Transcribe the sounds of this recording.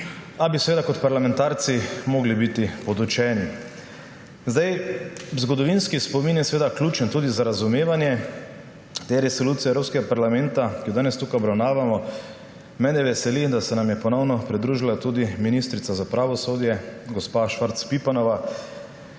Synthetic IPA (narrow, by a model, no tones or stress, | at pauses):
abisɛʋeːd̪akɔt̪paɾlamɛnt̪aːɾt̪simoːɡlibit̪ipɔd̪ut͡ʃɛːni | zd̪ajzɡɔd̪ɔʋinskispɔminjɛsɛʋeːd̪aklʲuːt͡ʃɛnt̪uːd̪izaɾazumeːʋanjɛ | t̪eɾɛsɔluːt̪siɛwɾoːpskɛɡapaɾlamɛnt̪akijɔd̪aːnɛst̪ukajɔbɾawnaːʋamɔ | mɛːnɛʋɛsɛlid̪asɛnamjɛpɔnɔwnɔpɾid̪ɾuʒilat̪uːd̪iminist̪ɾit̪sazapɾaʋɔsoːd̪jɛɡɔspaʃʋaɾt̪spipanɔʋa